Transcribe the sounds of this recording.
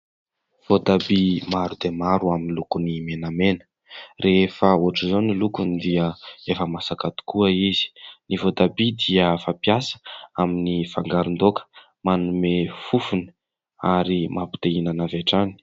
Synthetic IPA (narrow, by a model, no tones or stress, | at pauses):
v̥ot̪abimaɾud̪emaɾuaminilukunimenamenə̥ | refəoʈ͡ʂizonilukunid̪iəefəmasakat̪u̥kuəizi̥nivot̪abid̪iəfapiasə̥aminifaŋɡaɾund̪okə̥ | manumefufuni̥ | aɾimapi̥t̪einanaveʈ͡ʂani̥